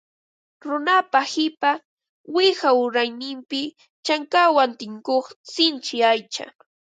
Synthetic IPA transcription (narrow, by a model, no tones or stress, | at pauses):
ɾʊnapahɪpa | wɪhaʊɾajnɪmpɪ | t͡ʃaŋkawant̪ɪŋkoχsɪnt͡ʃɪajt͡ʃa̰